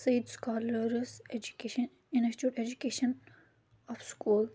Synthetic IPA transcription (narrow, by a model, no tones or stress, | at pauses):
sɐid̪skɔːləɾs | n | ĩnɐst͡ʃuʈed͡ʒukeːʃən | ɔfskuːl